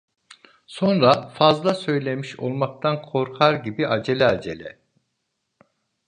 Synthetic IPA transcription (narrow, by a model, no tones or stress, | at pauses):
so̞nɾafazlˠasø̞jlʲemiʃo̞̰lˠmak̚t̪ʰankʰo̞ɾkʰaɾɟibiʔad͡ʒe̞lʲɛad͡ʒḛlʲɛ̰